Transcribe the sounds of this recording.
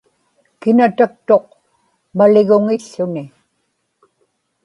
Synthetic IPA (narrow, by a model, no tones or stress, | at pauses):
kɪnat̪ak̚t̪o̞q̚ | malɪɣʊŋɪɬːʊnɪ